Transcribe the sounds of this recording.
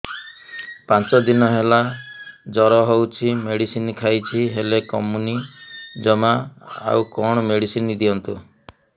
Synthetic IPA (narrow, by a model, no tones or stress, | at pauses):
pãt͡ʃɔd̪inɔɦelad͡ʒɔɾɔɦowt͡ʃʰimeɽisinikʰajt͡ʃʰiɦelekɔmunid͡ʒɔmaa̰wkɔɽ̃ɔmeɽisinid̪iɔnt̪u